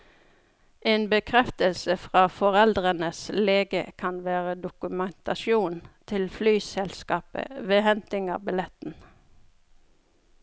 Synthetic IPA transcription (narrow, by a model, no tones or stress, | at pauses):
ʔeːnbəkʰʁɛft̪əlsəfʁɑːfɔʁɛld̪ʁənəsleːɡə̰kʰɑnʋæːʁəd̪ʊkʉmɛnt̪ɑʃjuːnt̪ʰɪlflyːsɛlskɑːpə̰ʋeːhɛnt̪ɪŋɑ̰ːbɪlɛt̪n̩